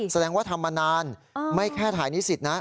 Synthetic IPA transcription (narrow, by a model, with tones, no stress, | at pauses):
sa˧dɛː˧ŋwaː˥˩t̪ʰa˧mːa˧naː˧nma˥˩jkʰɛː˥˩t̪ʰaː˩˦jniː˦˥si˨˩t̪̚na˦˥